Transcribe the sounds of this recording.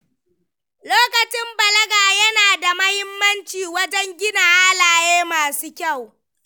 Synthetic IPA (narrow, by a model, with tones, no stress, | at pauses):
loː˦kɐ˨t͡ʃɪ˦mbɐ˨lɐ˦ɡaː˨jɐ˦naː˨da˨mɐ˦hɪ˦mːɐ˦nt͡ʃiː˨wɐ˦d͡ʒɛ˦ŋɡʲɪ˦naː˨ha˦laː˨jeː˦maː˨suː˦kʲa˦˨w